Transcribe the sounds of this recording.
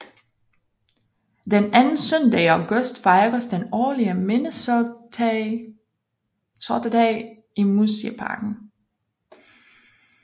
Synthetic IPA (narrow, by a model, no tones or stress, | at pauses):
d̥enænn̩sœnd̥ɛ̰ɪæʊɡ̥ɔsd̥fɑ̈ɪɡ̥ɐsd̥enɒːliəmenə | sɒd̥əd̥ɛː | imusipʰɑ̰̈ːɡ̥n̩